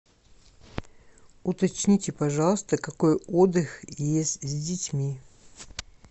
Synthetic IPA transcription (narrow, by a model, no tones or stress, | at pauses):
ʊt̪ɐt͡ɕnʲitʲɪpɐʐɑlˠəst̪əkɐkojod̪ɨxjesʲtʲzʲdʲɪtʲmʲi